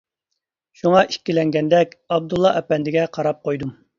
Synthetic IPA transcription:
ʃuŋɑʔikʲːilɛŋɡʲɛnd̪ɛkʲɑb̚d̪ulˠːɑʔɛpɛnd̪ɪɡʲɛqʰɑɾɑp̚qʰojd̪um

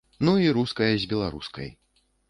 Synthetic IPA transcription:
nuiɾuskɐjɐzʲbʲɛlˠaɾṵskɐ̰j

